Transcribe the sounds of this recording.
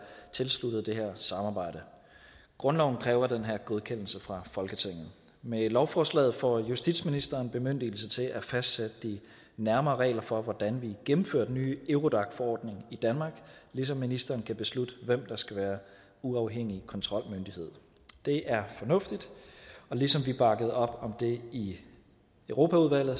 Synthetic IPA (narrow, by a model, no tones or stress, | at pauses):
t͡sʰe̝lslud̥əð̩ˠd̥e̝ɦeɐ̰sɑ̈mɑ̈ːb̥ɑ̈ɪ̰d̥ə | ɡ̥ʁɔ̽nlɒʊn̩kʰʁɛːʊɐd̥enɦæɐ̰ɡ̥oð̞ˠkʰen̰l̩səfʁɑ̈fɒ̽lɡ̥ət͡sʰeŋ̰ð̩ | melɒʊfɒːslɛ̰ːð̩ˠfɒjusd̥id̥sminisd̥ɐːnb̥e̝møn̰d̥il̩sət͡sʰe̝læfæsd̥sed̥əd̥i | næɐmɐːʁɛ̰ːlɐfɒ̽ʋɒd̥ænʋiɡ̥emm̩føɐd̥nyːeʊʁo̝d̥ɑ̈ɡ̥fɒɒ̰ːd̥ne̝ŋid̥ænmɑ̈ːɡ̥lis̬ɒ̽mːinisd̥ɐːnkʰæb̥e̝slud̥əʋem̰d̥ɑ̈sɡ̥æʋæːɐ | uɑ̈ʊɦeŋ̰ikʰɒ̽nt͡sʰʁɒ̽l̰mønd̥ihe̝ð̰ˠ | d̥e̝ʔæɐfɒ̽nɔ̽fd̥id̥ɒ̽lisɒ̽mʋib̥ɑ̈ɡ̥əð̞̩ˠɒ̽b̥ɒ̽md̥e̝i | øʊʁo̝ːpʰæuðˠʋæl̰ð̩ˠ